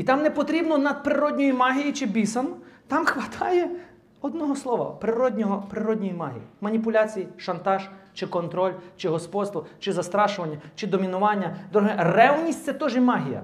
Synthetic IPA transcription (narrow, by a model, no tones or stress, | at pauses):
it̪ɑmnɛpɔt̪ɾʲibnɔnɐd̪̚pɾɪɾɔdʲnʲɔjimɑɦʲijit͡ʃɪbʲisɐnʊt̪ɑmxʋɐt̪ʰɑjɛ | ɔd̪nɔɦɔslˠɔʋɐ̰pɾɪɾɔdʲnʲɔɦɔpɾɪɾɔdʲnʲɔjimɑɦʲḭjimɐnʲipʊlʲat͡sʲijiʃɐnt̪ɑʒt͡ʃɪkɔnt̪ɾɔlʲt͡ʃɪɦɔspɔd̪st̪ʋɔt͡ʃɪzɐst̪ɾɑʃʊʋɐnʲːɐt͡ʃɪd̪ɔmʲinʊʋɑnʲːɐd̪ɾuɦɛrɛʋnʲisʲt̪ʲsɛt̪ɔʒɛmɑɦʲijɐ̰